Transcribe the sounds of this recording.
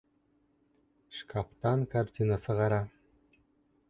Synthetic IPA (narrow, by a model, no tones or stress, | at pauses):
ʃkʰapt̪ɑnkʰaɾt̪ʲinasəʁɑɾa